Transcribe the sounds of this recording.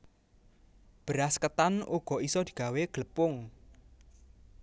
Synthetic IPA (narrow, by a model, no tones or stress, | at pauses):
b̥əɾaskət̪anoɡ̥ɔ̤isɔd̪̥i̤̥ɡ̥a̤weɡ̥ələpʊŋ